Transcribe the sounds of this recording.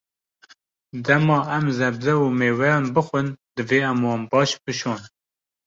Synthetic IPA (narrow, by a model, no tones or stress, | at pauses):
d̪ɛmɑːɛmzɛbzɛumeːwɛjɑːnbɨxʷənd̪ɨveːɛmwɑːnbɑːʃbɨʃoːn